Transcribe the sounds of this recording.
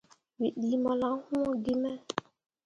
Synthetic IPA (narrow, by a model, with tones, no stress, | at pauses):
wi˨ɗi˨˦mɔ˨la˨˦hu˦ɔ˦ɡi˦mɛ˦